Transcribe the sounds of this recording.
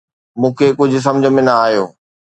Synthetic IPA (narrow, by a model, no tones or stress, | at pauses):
mũːkʰekʊd͡ʑʱʊ̆s̬ɐmd͡ʑʱə̆mẽnɐaːɦjoː